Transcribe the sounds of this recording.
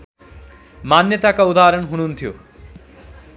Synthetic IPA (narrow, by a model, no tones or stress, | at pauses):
manjʌt̪akaud̪aɾʌnɦuñunt̪ʰijo̰